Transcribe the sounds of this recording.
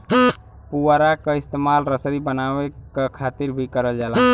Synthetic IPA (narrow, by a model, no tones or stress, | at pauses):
puaɾakəɪst̪emalɾəsɾibənawekekʰat̪iɾbʱikəɾəld͡ʒala